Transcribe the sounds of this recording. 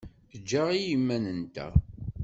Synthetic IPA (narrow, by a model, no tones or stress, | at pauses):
θəd͡ʒːaʁijimːænənt̪æ̰